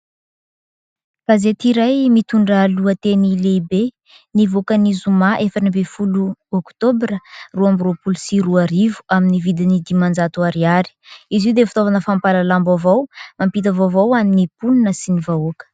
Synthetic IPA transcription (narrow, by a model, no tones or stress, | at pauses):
kazet̪iɾajmit̪uɳɖ͡ʐaluət̪enileibe | nivokanizumaʔefanibefuluɔkt̪obrəruambrupulsiruaɾivu̥aminivid̪inid̪imand͡ʒat̪uaɾiaɾi̥iziwd̪efut̪ovanəfampalalambavawmampit̪̬avovawaninipulunəsinivaukə̥